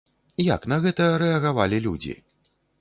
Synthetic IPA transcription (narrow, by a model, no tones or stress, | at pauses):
ja̰knɐɣɛt̪ɐɾɛɐɣavalʲilʲud͡zʲḭ